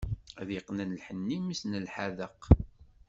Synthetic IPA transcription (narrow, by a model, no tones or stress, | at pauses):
æðiqnənlħənːimisnəlħaðəq